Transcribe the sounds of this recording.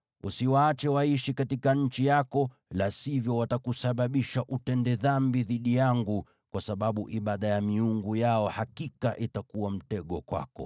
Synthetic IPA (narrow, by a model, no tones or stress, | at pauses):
usiwaːt͡ʃɛwaiʃikatikaɲ̩t͡ʃijakɔ | lasivjɔwatakusaɓaɓiʃaʔutɛndɛðambiðiɗijaŋɡu | kwasaɓaɓuʔiɓaɗajamiuŋɡujaɔhakikaʔitakuwam̩tɛɠɔkwa̰kɔ̰